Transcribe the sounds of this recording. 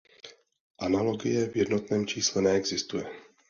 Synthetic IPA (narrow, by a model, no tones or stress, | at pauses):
ʔanalo̞ɡɪjɛvjɛdno̞t̪nɛːmt͡ʃiːslɛnɛɛɡzɪst̪ujɛ